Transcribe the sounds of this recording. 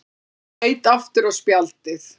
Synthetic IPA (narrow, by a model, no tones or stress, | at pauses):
eːjt̪aft̪ɪɾawspjalt̪ɪθ